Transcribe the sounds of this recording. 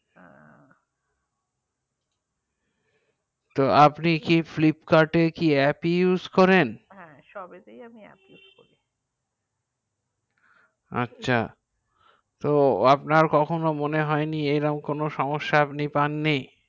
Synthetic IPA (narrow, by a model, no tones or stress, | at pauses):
t̪oʔapnikiflipkaɾʈekiɛpijuzkɔɾenɦɛ̃ | ʃɔbejaiɛ̰piukoi | a̰tːɕʰa̰ | t̪oapnaɾkɔkʰonomoneɦɔeniejɾamkonoʃɔmoʃːaapnipanːej